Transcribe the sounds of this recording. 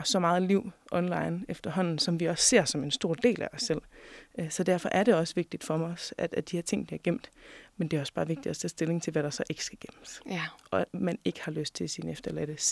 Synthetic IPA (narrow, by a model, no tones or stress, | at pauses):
sɒ̽mɑ̈ːð̞̩ˠliʊ̰ʔɒ̽nlɑ̈ɪnefd̥ɐɦɒ̽n̰n̩sɒ̽mʋiɒ̽sːe̝ɐ̰sɒ̽me̝nsd̥o̝ɐ̰d̥e̝̰ːlæɒ̽sːel̰sɒ̽d̥æɐ̰fɒ̽ʔæɐɾe̝ɒ̽sʋe̝ɡ̥̚d̥id̥fɒ̽ɒsæd̥æd̥ihɛɐ̰t͡sʰe̝ŋ̰b̥iɐɡ̥em̰d̥mend̥eæɐɒ̽sb̥ɑ̈ːʋe̝ɡ̥̚d̥id̥ɒsʰɛsd̥e̝le̝ŋt͡sʰe̝lʋæɾ̥ɑ̈sɒ̽ʔe̝ɡ̥ə̥sɡ̥æɡ̥em̰əsʔɒ̥̽mæne̝ɡ̥ə̥hɑ̈løsd̥̚t͡sʰe̝sinefd̥ɐlæd̥əs